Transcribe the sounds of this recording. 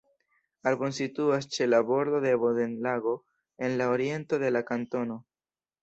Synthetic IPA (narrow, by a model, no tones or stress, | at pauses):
aɾbo̞nsituast͡ʃe̞labo̞ɾd̪o̞de̞bode̞nlaɡo̞ | e̞nlaoɾie̞nto̞d̪e̞lakanto̞no̞